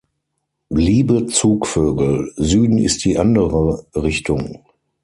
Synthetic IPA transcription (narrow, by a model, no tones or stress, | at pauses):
liːbət͡suːkføːɡl̩zyːdn̩ɪ̰st̚d̥iːʔandəʁəʁɪçtʰʊŋ